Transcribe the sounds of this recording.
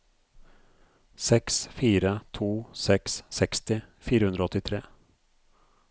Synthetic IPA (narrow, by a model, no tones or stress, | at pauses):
sɛksfiːɾat̪ʰuːsɛksːɛkst̪ɪfiːɾahɵnd̪ɾaɔt̪ːɪt̪ʰɾeː